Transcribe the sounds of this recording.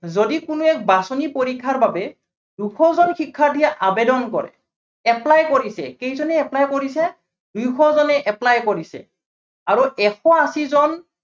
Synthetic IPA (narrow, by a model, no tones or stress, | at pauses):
zodikʊnʊɛk̚basɔnipoɹikʰːaɹbabɛ | duxʰɔzɔnxikʰːadʱijaʔabedɔnkɔ̰ɹɛ̰ | ɛplajkoɹisɛ̰kejzɔnɛɛplajkoɹisɛ | dujxʰɔzɔnɛʔɛplajkoɹisɛ̰ | aɹuʔɛxʰɔasizɔn